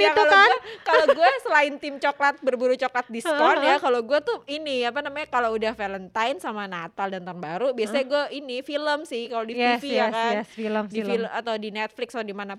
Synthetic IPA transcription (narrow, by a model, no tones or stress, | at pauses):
jakulakaloɡuɛsəlaɪnt̪ɪmt͡ʃoklat̪̚bərbuɾut͡ʃoklat̪̚diskɔrnjakaloɡuɛt̪ʊiniapanamaɲakaloudahfelənt̪ajnsamanat̪aldant̪ɔnbaɾubiasaɲaɡuɛʔinifiləmsɪhkalodisfiakaɛsfiləmdifiləat̪awdinet̪̚flɪksdimana